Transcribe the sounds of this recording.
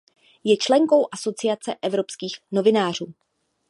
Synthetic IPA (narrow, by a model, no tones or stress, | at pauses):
jɛt͡ʃlɛŋko̞wʔaso̞t͡sɪat͡sɛʔɛvɾo̞pskiːxno̞vɪnaːr̝uː